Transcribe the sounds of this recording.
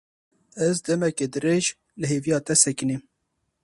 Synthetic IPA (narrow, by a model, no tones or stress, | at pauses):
ɛzd̪ɛmɛked̪ɨɾeːʒ | lɨɦeːvijɑːt̪ɛsɛkɨnim